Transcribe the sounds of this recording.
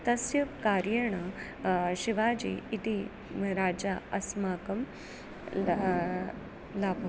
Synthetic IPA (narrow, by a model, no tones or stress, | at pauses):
t̪ɐsjɐkaːɾjəɳɐ | ɕiʋaːd͡ʑḭːit̪i | mɾaːd͡ʒaɐsmaːkɐm | laːbʱo